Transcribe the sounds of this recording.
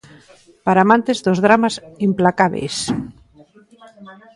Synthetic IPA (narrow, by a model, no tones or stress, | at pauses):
paɾaːmãnt̪ezðozðɾamasimplakaβḛjs